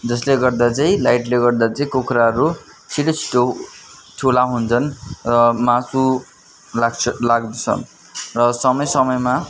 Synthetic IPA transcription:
d͡zʌsleɡʌrd̪at͡saĩlajʈleɡʌrd̪at͡saĩkokɾaɦʌɾu | t͡sʰiʈot͡sʰi̥ʈotʰulaɦunt͡sʰʌnrʌmasu | laɡt͡sʰʌlaɡd̪et͡sʰʌ̰n | rʌsʌmʌjsʌmʌjma

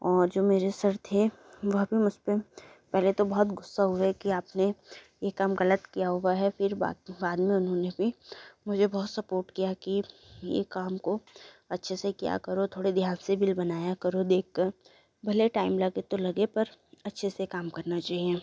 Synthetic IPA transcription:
ɔːɾd͡ʒoːmeːɾesɐɾt̪ʰe | ʋɐɦbʱimʊd͡ʒʱpe | pɛɦlet̪obɔɦʊt̪ɡʊsːaɦʊekiaːpne | jekaːmɣɐlət̪kijaɦʊwaɦɛfɪɾba̰ːbaːd̪mẽʊnɦõnebʱimʊd͡ʒʱebɔɦːt̪sɐpoːɾʈkijakijḛkaːmko | ɐtːʃʰesekija̰kɐɾot̪ʰoːɽed̪ʱjaːnsebɪlbɐnaːjakɐɾod̪eːk̚ʰkɐɾ | bʱɐleʈaːɪmlaɡet̪olɐɡepɐɾɐtːʃʰesekaːmkɐɾnat͡ʃaːɦie

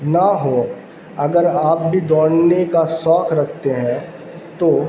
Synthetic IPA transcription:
naɦo | ɐɡəɾaːp̚bʱid̪ɔːɽnekasɔːkʰɾɐkʰt̪eɦɛ̃ | t̪oː

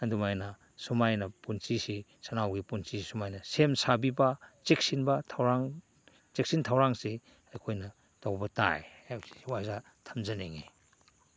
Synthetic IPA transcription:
ɐdumajnɐ | sumajnɐpunt͡ʃisisɐnawɡipunsisumajnɐsemsabibɐt͡ʃek̚sinbɐtʰawɾaŋ | t͡ʃek̚sintʰawɾaŋsi | ɐjkʰojnɐ | dawbɐta̰jwsi̥wajza | tʰɐmzɐneŋḛ

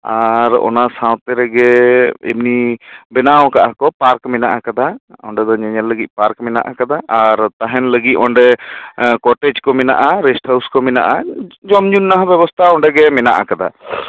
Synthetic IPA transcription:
aɾɔ̰nasãw̃t̪ɛɾɛɡɛḭbnibɛnawkaʔakɔpaɾkmɛnaʔakad̪aɔ̰ɳɖɛd̪ɔɲɛɲɛlləɡit̪̚ˀpaɾkmɛna̰ʔakad̪aʔaɾt̪aɦɛnləɡit̪̚ɔɳɖɛ | kɔʈɛd͡ʒkɔmɛna̰ʔaɾɛsʈhawskɔmɛna̰ʔad͡ʒɔmɲunːaɦãbɛbɔst̪ʰaɔɳɖɛɡɛmɛnaʔakad̪a̰

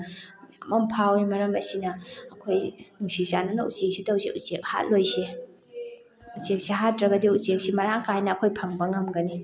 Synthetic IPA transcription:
ɐmɐmpʰawimɐɾɐmɐsinɐːkʰojnuŋsizanɐnɐṵt͡ʃek̚sitɐwziʔut͡ʃek̚ha̰t̚lojse | ut͡ʃek̚siɦat̚ɾɐɡɐdiut͡ʃek̚simɐɾaŋkajnɐːkʰojpʰɐŋbɐŋɐmɡɐni

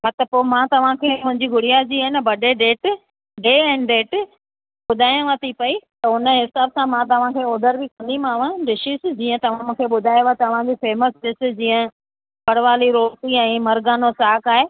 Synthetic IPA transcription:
mɐt̪əpoːmãt̪ɐʋ̤ãkʰeːmʊ̃ɦɪ̃ɲd͡ʑiɡʊɽijad͡ʑiːaɦɪnəbɐɖeɖeːʈ | ɖeːɛ̃ːnɖeːʈ | ɓʊd̪ʱaːjãʋɐt̪ʰipɐit̪ɐʊnəɦɪsaːbsãmãt̪̬ɐʋ̤ãkʰeːoːd̪əɾbɪkɐ̃nd̪imãːʋ̤ãɖɪʃisɪd͡ʑĩːə̃t̪ɐʋ̤ãmũːkʰeːɓʊd̪ʱaːjʋat̪ɐʋ̤ãd͡ʑifeːməsɖɪsɪd͡ʑĩːə̃ | bɐɽʋaːliɾoːt̪iɛ̃ːmɐɾɡaːnosaːkaːɦeː

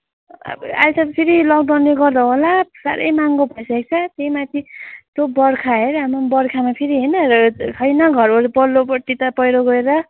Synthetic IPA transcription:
ba̰lt͡sʰʌt̪ʌpʰiɾilʌk̚ɖawnːeɡʌrd̪ʌɦolasa̰ɾʌ̰jmaŋɡobʱʌjsak̚t͡sʰʌt̪ejmat̪ʰit̪obʌrkʰaɦeɾɦamanbʌrkʰamapʰiɾiɦʌjnʌsʰʌjnʌɡʱʌɾolipʌlːopʌʈ̪it̪ʌpʌjɾoɡʌeɾʌ

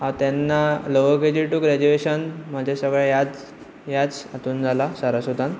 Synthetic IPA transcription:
at̪jɛnːaloʋəɡed͡ʑiʈuɡɾɛd͡ʑueɕənm̤ad͡ʑʱasəɡɭjajad͡z | jad͡zat̪uːnd͡zʱalasaɾasud̪an

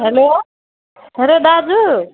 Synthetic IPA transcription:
ɦeloː | ɦeloːd̪ad͡zu

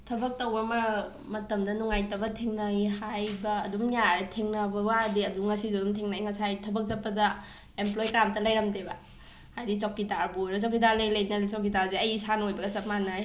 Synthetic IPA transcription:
tʰɐbɐk̚tɐwbɐmɐ | mɐtɐmdɐnuŋajtɐbɐtʰiŋnajhajbɐːduŋjaɾetʰeŋnɐbɐwadiɐduŋɐsizedumtʰeŋnajŋɐsajtʰɐbɐk̚zɐpːɐdɐ | emplojkɾamtɐlɐjɾɐmdebɐ | hajdit͡ʃawkidaɾbujɾɐsawkidaɾlejlejnɐdsawkitaɾzeɐjsanojbɐɡɐsɐp̚manaj

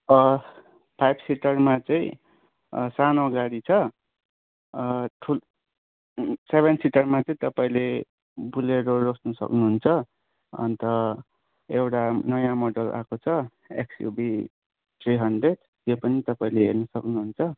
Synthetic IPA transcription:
ʌ | pʰajbsiʈʌrmat͡saĩ | sanoɡaɽit͡sʰʌ | ʈʰul | seβʱensiʈʌrmat͡sʌĩt̪ʌpaĩle | buleɾorosnʌsʌ̰knuɦunt͡sʰʌ | ʌ̰nt̪ʌ | ewʈanʌjãmʌɖʌlʔa̰kot͡sʰʌ | ḛksjṵbi | t̪ʰɾiɦʌɳɖreɖ | t̪jopʌnit̪ʌpaĩleɦernʌsʌknuɦunt͡sʰʌ

